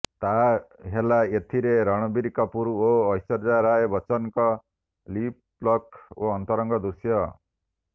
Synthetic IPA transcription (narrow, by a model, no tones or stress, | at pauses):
t̪aɦelaet̪ʰiɾeɾʌɽ̃ɔbiɾikɔpuɾuoːjsɔɾd͡ʒaɾajbʌt͡ʃɔnkɔ | lip | lɔkoɔnt̪ɔɾɔŋɡɔd̪usjʌ